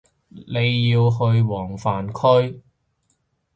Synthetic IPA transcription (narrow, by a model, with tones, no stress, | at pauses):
ne˨˧jːiː˧wɦɵ˧ɥwɔː˨˩ŋfaː˨nkʰɵ˥ɥ